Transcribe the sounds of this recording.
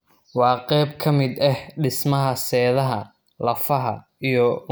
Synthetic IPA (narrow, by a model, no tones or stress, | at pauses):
wɑːqɛjb̚kʰɐmɪd̪ɛhɖɪsmɐɦɐsɛːðɐɦɐ | lɐfɐɦɐ̰ | ijɔ